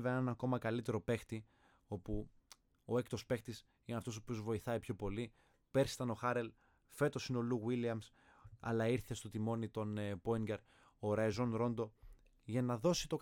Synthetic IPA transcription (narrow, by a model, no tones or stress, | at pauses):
veenenɐko̞mɐkɐlit̪e̞ɾo̞pe̞xt̪i | o̞pu | o̞ekt̪o̞spe̞xt̪is | ineɐft̪o̞sopio̞zvo̞iθɐipço̞po̞li | pe̞ɾse̥t̪ɐno̞xɐɾe̞l | fe̞t̪o̞sino̞luɣwiliɐms | ɐ̰lɐiɾθe̞st̪o̞t̪imo̞nit̪o̞npo̞iɲɡeɾ | oɾɐjzo̞nɾo̞nd̪o̞ | ʝɐnɐðo̞sit̪o̞k